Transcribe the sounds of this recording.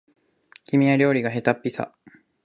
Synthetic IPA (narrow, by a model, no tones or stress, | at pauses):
kʲimʲiaɾʲo̞ːɾʲiɡaɦe̞t̪apʲːisa̰